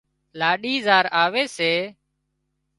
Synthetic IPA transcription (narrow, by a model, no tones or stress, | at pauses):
laːɗiːzaːɾaːʋeːseː